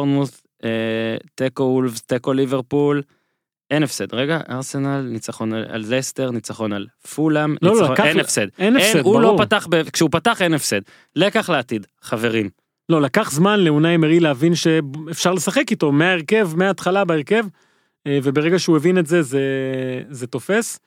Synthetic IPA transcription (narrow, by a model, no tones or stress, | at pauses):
ʁnuθ | et̪ekoulvt̪ekoliveʁpul | ʔe̞nefsed̪ʁeɡaʔa̰ʁsenalnit͡saχo̞naa̰lzest̪eʁnit͡saχo̞nal | fulamnlolokenefsed̪̚eneulopataχbekʃeupataχenefsed̪̚ | lekaχleat̪id̪ | χave̞ʁim | lo̞lakaχzmanleunaemeʁileavinʃeefʃaʁle̞saχe̞kit̪o̞meaeʁke̞vmeaːt̪χalabaeʁke̞v | ve̞beʁeɡaʃeuevinetze̞zeze̞t̪o̞fe̞s